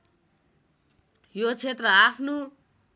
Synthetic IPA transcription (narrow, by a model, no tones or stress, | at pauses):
jot͡sʰet̪rʌapʰno